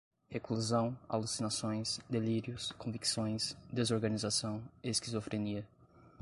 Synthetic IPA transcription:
hekluzɐ̃w̃a̰lusinasõj̃sd̪eliɾjʊskõviksõj̃sd̪ezoɾɡɐnizasɐ̃w̃eskizofɾeniɐ

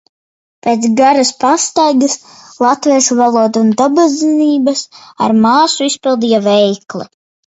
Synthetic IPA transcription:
peːt̪sɡaɾaspast̪ajɡɐs | lˠat̪viɛʃuvalˠuɔd̪und̪abaziniːbɐsa̰ɾmaːsuispilˠd̪ijavɛjklˠi

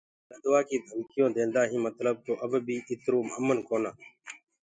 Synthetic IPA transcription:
ləd̪ʊʋaːkiːd̪ʱəmkɪjõːd̪ẽːnd̪aːɦĩːmət̪ləb̚t̪oːʔəbbʱiːʔɪt̪ɾuːməmənkoːnaː

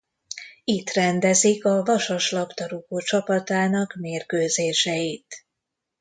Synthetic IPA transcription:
it̪rɛnd̪ɛzikɒvɒʃɒʃlɒpt̪ɒɾukoːt͡ʃɒpɒt̪aːnɒkmeːrkøːzeːʃɛjit̪

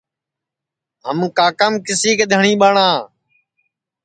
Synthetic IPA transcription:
ɦəmkaːkəmkɪsiːkd̪ʱəɳĩːɓəɳãː

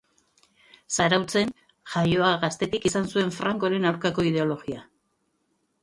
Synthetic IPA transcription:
saɾawt͡se̞n | ʝajo̞aɣast̪e̞t̪ikisansue̞ɱfɾaŋko̞ɾe̞nawɾkako̞ið̞e̞o̞lo̞ɣia

